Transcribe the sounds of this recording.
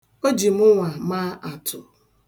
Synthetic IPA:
o˦d͡ʒi˨m̩˦ʊ˦ŋʷa˨maː˦ʔa˨tʰʊ˨

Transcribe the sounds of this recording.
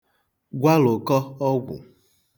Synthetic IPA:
ɡʷa˦lo˨kɔ˦ɔ˦ɡʷʊ̰˨

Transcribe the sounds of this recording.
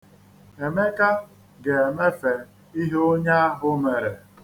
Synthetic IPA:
e˨me˦ka˦ | ɡe˨e˨me˦fe˨ | i˦ɦo˦ɲa˦ɦʊ˦me˨ɾe˨

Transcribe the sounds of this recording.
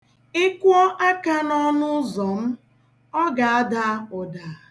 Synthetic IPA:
ɪ˦kʷɔ˦ʔa˦ka˦nɔ˦nʊ˦zɔ˨m̩˦ | ɔ˦ɡa˨a˦da˦ʊ˨da˨

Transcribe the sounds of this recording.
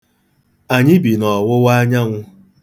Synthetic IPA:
a˨ɲɪ˦bi˨nɔ˨wʊ˦wa˦ɲa˦ŋʷʊ˦

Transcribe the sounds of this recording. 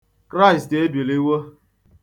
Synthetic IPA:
kɾa˦ɪ˨ste˦bji˨li˦wo˦

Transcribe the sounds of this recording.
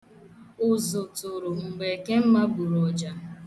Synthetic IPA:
ʊ˨zʊ˨tʊ˨ɾʊ˨m̩˨ɡ͡be˨ke˦m̩˦ma˦bu˨ɾɔ˨d͡ʒa˦

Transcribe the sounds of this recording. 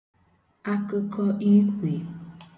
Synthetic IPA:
a˦ko˦kʰɔ˦ʔi˦kʷi˨

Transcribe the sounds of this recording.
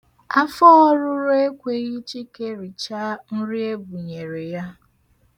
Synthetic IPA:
a˦fɔ˦ɔ˦ɾʊ˦ɾʊ˦e˦kʷe˦ɣi˦t͡ʃi˦ke˦ɾi˨t͡ʃa˦n̩˦ɾi˦e˦bu˨ɲe˨ɾe˨ja˦

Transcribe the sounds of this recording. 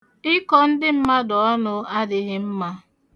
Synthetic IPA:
ɪ˦kɔ˦n̩˦dɪ˦m̩˦ma˦dɔ˨ɔ˦nʊ˦a˦dɪ˨ɣɪ˦m̩˦ma˦

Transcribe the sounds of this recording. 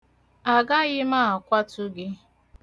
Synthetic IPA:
a˨ɡa˦ɣɪ˦ma˦˨a˨kʷa˦tʊ˦ɡɪ˦

